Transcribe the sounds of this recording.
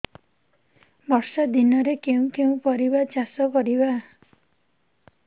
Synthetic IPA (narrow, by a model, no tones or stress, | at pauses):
bʱʌɾsad̪inʌɾekeũkeũpɔɾibat͡ʃasɔkɔɾiba